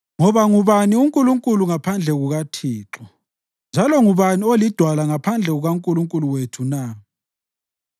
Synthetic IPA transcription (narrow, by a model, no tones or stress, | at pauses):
ŋɔβaŋuβaniuŋkʼuluŋkʼuluŋapʰand͡ɮʱɛɣuɣatʰiːǁɔ | nd͡ʒʱalɔŋuβaniolid̥ʱwalaŋapʰand͡ɮʱɛɣuɣaŋkʼuluŋkʼuluwetʰuna